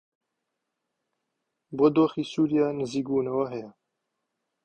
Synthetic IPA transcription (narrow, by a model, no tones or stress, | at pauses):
bod̪oːxiːsuːɾijɑːnɨziːkbuːnɐwaɦɛjɛ